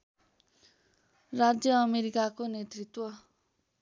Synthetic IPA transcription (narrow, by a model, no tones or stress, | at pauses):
rad͡zjʌːmeɾikakonet̪rit̪wʌ